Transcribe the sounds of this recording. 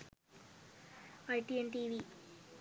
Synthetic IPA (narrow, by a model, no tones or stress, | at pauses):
ajʈienʈiːʋi